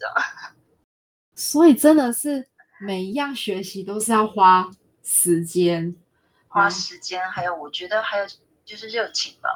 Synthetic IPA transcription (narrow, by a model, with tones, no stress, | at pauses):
ə̰˨ | swɔ˧˥i˨˩ʈ͡ʂə˦nd̪ə˨ʂɻ̩˥˩ | me˨˩ɪi˧˥jɑ˥˩ŋɕɥɛ˧˥ɕi˧˥t̪o˥ʊʂɻ̩˥˧jɑ˥˩ʊxwa˥ | ʂɻ̩˧˥t͡ɕjɛ˥n | xwa˦˥ʂɻ̩˧˥t͡ɕjɛ˥nxa˧˥ɪjo˨˩ʊwɔ˨˩t͡ɕɥɛ˧˥d̪ə˧xa˧˥ɪjo˨˩ʊ | t͡ɕjo˥˧ʊʂɻ̩˥˧ʈ͡ʂə˥˩jo˨˩ʊt͡ɕʰi˨˩ŋb̪a̰˧˦